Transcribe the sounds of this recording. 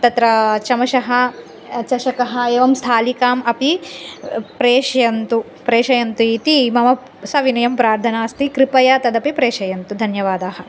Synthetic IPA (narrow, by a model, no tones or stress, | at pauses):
t̪ɐt̪ɾɐt͡ʃɐmɐʃɐɦɐ | t͡ʃɐʃɐkɐɦɐ̆eːʋɐmst̪ʰaːlikaːmɐpi | pɾeːʃjɐnt̪u | pɾeːʃɐjɐnt̪uit̪imɐʋɐ | sɐʋinɐjɐmpɾaːɾd̪ʰʱɐnaːst̪ikɾipɐjɐt̪ɐd̪ɐpipɾeːʃɐjɐnt̪ud̪ʱɐnjɐʋaːd̪aːɦɐ̆